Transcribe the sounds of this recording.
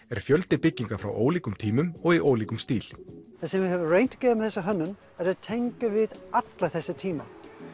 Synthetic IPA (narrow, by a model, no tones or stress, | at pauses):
ɛɾ̥fjœlt̪ɪpɪcːiŋkafɾa̰wʔoːwliːkʏmt̪ʰiːmʏmɔɣiʔoːwliːkʏmst̪iːlθasɛmvɪhɛvʏreːjn̥t̪ḁcɛːɾamθɛsːaɦœnːʏm | ɛɾaðt̪ʰejŋkʏvɪðat̪laθɛsːɪt̪ʰiːma